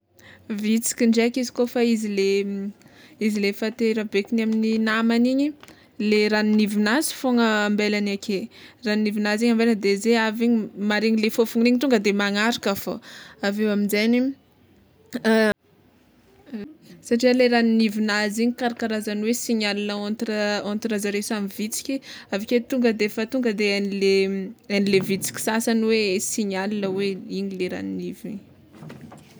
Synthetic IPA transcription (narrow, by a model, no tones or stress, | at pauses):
vit͡si̥kʲiɳɖ͡ʐekizi̥kofaizile | izilefat̪eɾəbekinamininamaniɲi | leɾaninivinazi̥foŋəːmbelanakʰeraninivinaziɲambeland̪ezeaviɲimaɾiɲilefofuŋniɲit̪uŋɡəd̪emaŋaɾikafo̰avewaminzani | saʈ͡ʂiəleɾaninivinaziɲikaɾakaɾazanwesiɲalinəont̪ɾəont̪iɾazəɾesamivit͡si̥kʲiaviket̪uŋɡəd̪eefət̪uŋɡəd̪eanileanilevit͡si̥kʲi̥sasanwesiɲalinəweiɲileɾa̰ninivini